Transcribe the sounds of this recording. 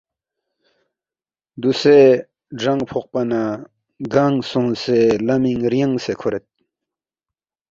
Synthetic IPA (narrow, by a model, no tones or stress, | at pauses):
d̪use | ɖ͡ʐaŋpʰoq̚pana | ɡaŋsõŋselamiŋɾjaŋsekʰoɾet̪̚